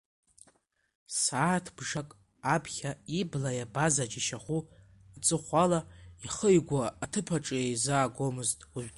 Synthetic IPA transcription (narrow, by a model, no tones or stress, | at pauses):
saːtʰb̥ʐakʼ | apʰχʲaiblajabazad͡ʒiʃaχʷu | at͡sʼɨχʷalaiχəjɡʷaatʰɨpʰaʈ͡ʂʼɨjejzaːɡʷomɨztʼwiʒʷᶣʲ